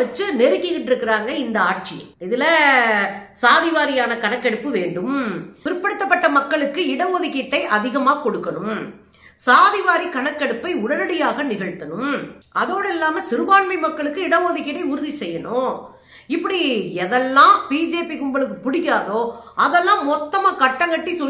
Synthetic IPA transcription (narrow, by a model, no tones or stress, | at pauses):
ɐt͡ʃːɯnɛɾɯkːɪɣɪʈːɪɾɯkːɪɾaːŋɡɐɪnd̪ɐaːʈ̚t͡ʃɪjɐ̰̃mɪðɪlɐ | saːðɪʋaːɾɪjaːnɐkɐɳɐkːɐɽɯpːɯʋeːɳɖɯmʋɪɾɯpːɐɽɯt̪ːɐpːɐʈːɐmɐkːɐɭɯkːɯɪɽɐʋoːðɪkːɪʈːɐɪʔɐðɪɣɐmaːkɔɽɯkːɐnɯm | saːðɪʋaːɾikɐɳɐkːɛɽɯpːɐɪʊɽɐɾɐɽɪjaːɣɐnɪɣɐɻt̪ːɐnɯmʔɐðoːɽɐɪlːaːmɐsɪɾɯʋaːɳmɐɪmɐkːɐɭɯkːɯɪɽɐʋoːðɪkːɪʈːɐɪʊɾʊðisɛjːɐnõː | ɪpːɐɽiɛðɛlːãːpiːd͡ʒeːpikʊmbɐɭɯkːɯpʊɽɪkːaːðoːɐðɛlːãːmɔt̪ːɐmaːkɐʈːɐŋɡɐʈːisɔ